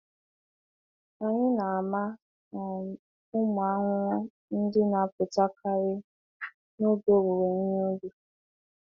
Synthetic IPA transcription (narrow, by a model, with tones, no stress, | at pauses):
a˨ɲɪ˦na˨a˨ma˦ | na˨ | ʊ˦mʊ˨a˦ŋʷ˦ɔ˦ | n̩˦dɪ˦na˨pʊ˨ta˦kʰa˦ɾɪ˦ | no˦bo˦ɾu˨we˨ɲ̩˦ɲ˦o˦du˦